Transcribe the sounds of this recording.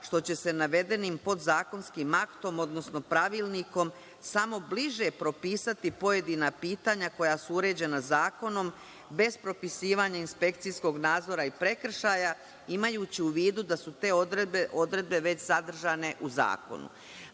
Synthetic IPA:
ʃt̪o̞t͡ɕe̞se̞naʋe̞d̪e̞nimpo̞d̪zaːko̞nskimakt̪o̞mo̞d̪no̞sno̞pɾaʋiːlˠniko̞m | samo̞bliʒe̞pɾo̞piːsat̪ipo̞je̞d̪inapiːt̪aːɲako̞jasuuɾe̞ːd͡ʑe̞nazaːko̞no̞m | be̞zpɾo̞pisiːʋaɲainspe̞k̚t̪sijsko̞ɡnaːd̪zo̞ɾaipɾe̞kr̩ʃaːja | imajuːt͡ɕiuʋiːd̪ud̪asut̪e̞ːod̪ɾebeʔo̞d̪ɾe̞d̪̚be̞ʋe̞t͡ɕzad̪r̩ʒane̞ʔuza̰ːko̰nṵ

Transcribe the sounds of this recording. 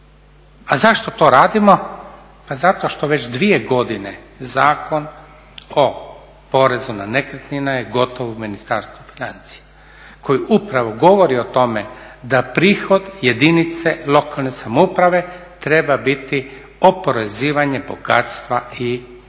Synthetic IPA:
azaʃt̪o̞t̪o̞ːɾaːd̪imo̞ | pazat̪oʃt̪o̞ʋe̞t͡ʃd̪ʋie̞ɡo̞d̪inezaːko̞n | o | po̞ɾe̞zunane̞kɾet̪ninajeɡo̞t̪oʋominist̪aɾst̪ʋufinant̪si̥ja | kʰo̞jiʔupɾaʋoɡo̞ʋoɾio̞t̪o̞me̞d̪apɾiːxo̞d̪je̞d̪init̪se̞lˠo̞kalˠne̞samoupɾaʋe̞t̪ɾe̞babit̪i | opo̞ɾeziːʋaɲe̞bo̞̰ɡa̰ːt̪st̪ʋai

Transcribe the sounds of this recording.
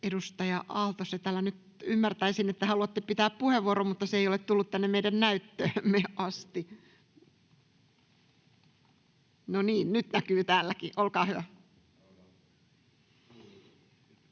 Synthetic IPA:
edust̪ɑjɑʔɑlt̪oset̪æːlːænyt̪ | ymːært̪æisinet̪ːæhɑluɑt̪ːepit̪æːppuheʋːuoɾommut̪ːɑseeijolet̪t̪ulːut̪t̪ænːemmeidænnæyt̪ːøːmːeʔɑst̪i | noniːnnyt̪nækyːt̪æːlːækiʔolkɑːhyʋæ

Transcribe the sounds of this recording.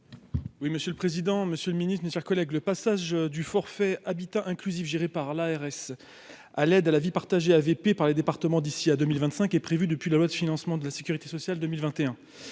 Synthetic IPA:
wiməsjøləpχezid̪ɑ̃məsjøləminist̪χmeʃɛʁkɔlɛɡləpasaʒd̪yfɔʁfɛabit̪ɑ̃ʔɛ̃klyzifʒeʁepaʁlaɛʁɛs | alɛd̪alavipaʁt̪aʒeavepepaʁled̪epaʁt̪əmɑ̃d̪isiad̪ømilvɛ̃t̪sɛ̃kɛpχevyd̪əpɥilalwad̪əfinɑ̃smɑ̃d̪əlase̥kʲyʁit̪e̥sɔsjald̪əmilvɛ̃t̪eɛ̃

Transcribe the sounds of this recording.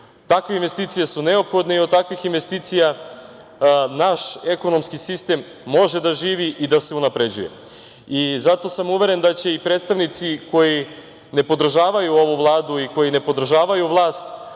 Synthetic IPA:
t̪akʋeinʋe̞st̪iːt̪sijesune̞opxo̞d̪neiod̪̚t̪akʋixinʋe̞st̪iːt̪sija | naʃe̞ko̞no̞mskisist̪e̞mː | o̞ʒed̪aʒiːʋiʔid̪ase̞unapɾe̞d͡ʑṵje̞̰ | izat̪o̞samuʋe̞ɾe̞nd̪at͡ɕe̞ipɾet̪st̪aʋnit̪siko̞ji | ne̞po̞d̪r̩ʒaːʋajuo̞ʋuvlˠaːd̪uiko̞jine̞po̞d̪r̩ʒaːʋajuʋlˠaːst̪

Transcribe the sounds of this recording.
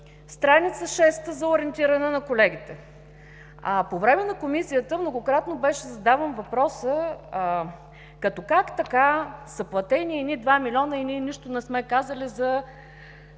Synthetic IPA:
st̪ɾanit̪səʃɛst̪əzɐoɾɛnt̪iɾɐnɛnɐkolɛɡ̟ʲit̪ɛ | apovɾɛmɛnɐkomisijət̪əmnoɡokɾat̪nobɛʃɛzɐd̪avəmvɐpɾɔsə | kɐt̪ɔkakt̪ɐkasɐplˠɐt̪ɛniɛinid̪vamilʲɔnəinʲiniʃt̪onɛsmɛkazəlizɐ

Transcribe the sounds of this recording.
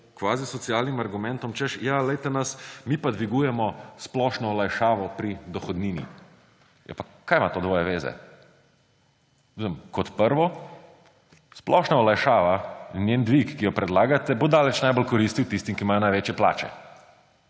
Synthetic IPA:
kʋaːzisɔt̪sijaːlnimaɾɡumɛnt̪ɔmt͡ʃɛʃjalɛjt̪ɛnɐsmiːpad̪ʋiɡujɛmɔsplɔːʃnɔɔlajʃaːʋɔpɾid̪ɔxɔd̪niːnḭ | jɛ̰pakaːjmat̪od̪ʋɔːjɛʋeːzɛ̰ | usəmkɔt̪pəɾʋɔ | splɔʃnaɔlajʃaːʋannjend̪ʋikːijɔpɾɛd̪laːɡat̪ɛbod̪aːlɛt͡ʃnajbɔlkɔɾist̪iwt̪ist̪imkimaːjɔnajʋeːt͡ʃjɛpla̰ːt͡ʃɛ̰

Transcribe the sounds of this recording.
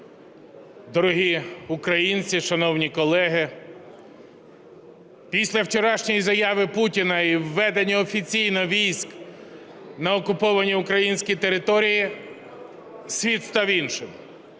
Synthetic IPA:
d̪ɔɾʊɦiʊkɾɐjinʲt͡sʲiʃɐnɔwnʲikɔlˠɛɦɪ | pʲisʲlʲɐwt͡ʃɔɾɑʃnʲɔjizɐjɑʋɪputʲinɐiwːɛd̪enʲiɔfʲit͡sʲijnɔʋʲijsʲk | nɐɔkʊpɔʋɐnʲiʊkɾɐjinʲsʲkʲit̪eɾɪt̪ɔɾʲiji | sʲʋʲit̪st̪ɑwinʃɪn

